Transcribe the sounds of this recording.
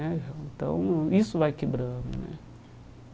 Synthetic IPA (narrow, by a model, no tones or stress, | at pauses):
ɛvewẽnt̪ɐ̰̃w̃isʊvajkebɾɐ̃d̪ʊ̰nɛ̰